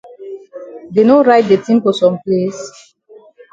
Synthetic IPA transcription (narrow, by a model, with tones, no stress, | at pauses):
de˨no˦ɹaɪt̚de˨tĩmfɔ˨sɔ̃˨mples